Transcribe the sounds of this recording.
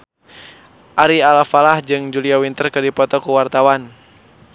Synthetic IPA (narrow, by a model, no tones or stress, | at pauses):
ʔaɾialafalahd͡ʒɨŋd͡ʒuliawint̪ərkɨdipɔt̪ɔkuwart̪awan